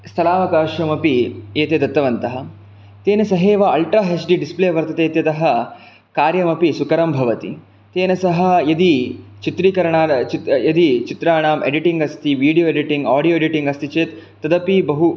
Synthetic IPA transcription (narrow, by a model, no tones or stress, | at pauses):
st̪ʰɐlaːʋɐkaːʃɐmɐpieːt̪eːd̪ɐt̪ːɐʋɐnt̪ɐɦɐ̆ | t̪eːnɐsɐɦeːʋɐɐlʈɾaːɦesɖiɖispleːɐʋɐɾt̪ɐt̪eːt̪jɐt̪ɐɦɐ | kaːɾjɐmɐpisukɐɾɐmbʱɐʋɐt̪ḭ | t̪eːnɐsɐɦɐ̆jɐd̪it͡ʃit̪ɾiːkɐɾɐɳaːt͡ʃit̪jɐd̪it͡ʃit̪ɾaːɳaːmḛɖiʈiŋɡɐst̪ʰiʋiːɽijoːeɖiʈiŋɡaːɽijoːeɖiʈiŋɡɐst̪ʰit͡ʃeːt̪ː | ɐd̪ɐpibɐɦu